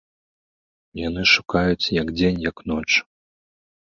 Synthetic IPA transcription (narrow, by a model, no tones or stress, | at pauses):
janɨʂukajut͡sʲjɐɡd͡zʲenʲjɐknɔt͡ʂ